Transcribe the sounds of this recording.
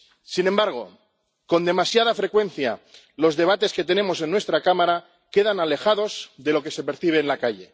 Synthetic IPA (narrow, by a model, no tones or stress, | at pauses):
sinembaɾɣ̞o̞ | ko̞nd̪e̞masjaðafɾe̞kwe̞n̟θja̰ | lo̞zðe̞β̞at̪e̞ske̞t̪e̞ne̞mo̞s̬e̞nːwe̞st̪ɾakamaɾa | ke̞ðanale̞xaðo̞zðe̞lo̞ke̞se̞pe̞ɾθiβ̞e̞ːnlakaʝe̞